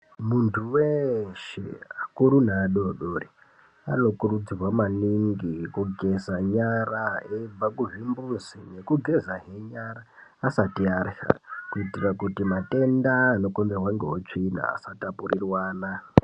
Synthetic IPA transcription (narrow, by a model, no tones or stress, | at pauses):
muntʰuweʃḛakuɾun̤aɗoɗori | a̰no̞kuɾud͡zirwamaniŋɡikuɡʱe̞zaɲaraeb͡vakuʐimbuzine̞kuɡʱe̞zaɦeɲaɾaː | satiaɾia̰kuitirakutimate̞ndaːno̞komberwaŋɡeɦot͡ʂina̰ːsatapurirwaːna